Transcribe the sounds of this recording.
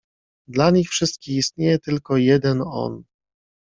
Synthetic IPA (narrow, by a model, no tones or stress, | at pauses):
d̪laɲixfʂɘst̪̚kʲixist̪̚ɲejɛt̪ɘlkɔjɛd̪ɛnɔ̰n